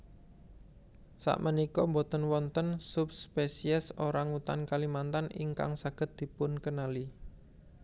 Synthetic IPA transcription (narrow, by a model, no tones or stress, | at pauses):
sa̰ʔmʔənikɔmbot̪ənwɔnt̪ənsupspesiɛsoɾaŋut̪ankalimant̪anḭŋka̰ŋsaɡ̥ə̤t̪̚d̪̥i̤pʊnkənali